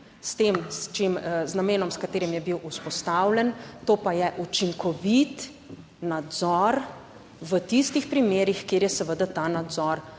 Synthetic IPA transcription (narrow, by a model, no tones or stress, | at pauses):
st̪eːmst͡ʃemznameːnɔmskat̪eːɾimjɛbiwʔuspɔst̪awlʲɛnt̪oːpajɛʔut͡ʃiŋkɔʋit̪ | nad̪zɔɾ | ʋət̪ist̪ixpɾimeːɾixkeːɾjɛsɛʋəd̪at̪aːnad̪zɔɾ